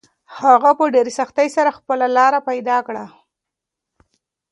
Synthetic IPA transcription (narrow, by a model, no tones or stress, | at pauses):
haɣapəɖeɾesaxt̪ajsaɾaxpəlalɑɾapajd̪ɑkɽa